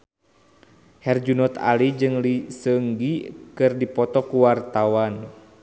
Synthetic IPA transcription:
hɛrd͡ʒunɔt̪a̰lid͡ʒɨŋlisəŋɡikɨrdipɔt̪ɔkuwart̪awan

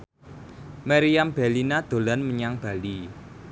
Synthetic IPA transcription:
maɾiamb̥elinad̪̥o̤lanməɲaŋb̥a̤li

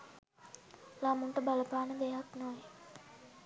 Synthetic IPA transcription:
lamuɳʈəbaləpaːnəd̪ejaknoe

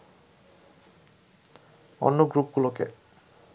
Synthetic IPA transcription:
ɔ̰nːuɡɾup̚ɡulɔkḛ

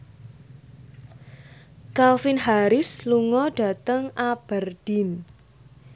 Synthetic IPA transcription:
kalfɪnɦaɾɪsluŋɔɖ̥a̤t̪əŋab̥ərɖ̥im

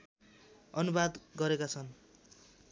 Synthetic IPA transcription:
ʌnubad̪ɡʌɾekat͡sʰʌn

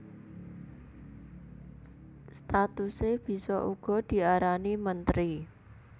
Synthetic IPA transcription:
st̪at̪useb̥i̤sɔʔuɡ̥ɔ̤d̪̥i̤aɾanimənt̪ɾi

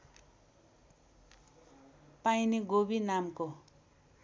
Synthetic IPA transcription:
pajniɡobinamko

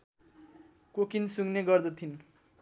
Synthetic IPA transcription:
kokinsuŋneɡʌrd̪ʌt̪ʰin

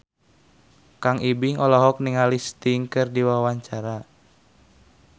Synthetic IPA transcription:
kaŋʔibiŋɔlɔɦɔk̚niŋalist̪iŋkɨrdiwawaɲt͡ʃaɾa

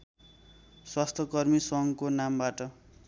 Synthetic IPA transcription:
swast̪ʰʌkʌrmisʌŋkonambaʈʌ

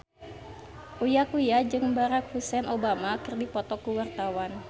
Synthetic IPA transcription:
ʔujakujad͡ʒɨŋbaɾak̚husɛnʔobamakɨrdipɔt̪ɔkuwart̪awan

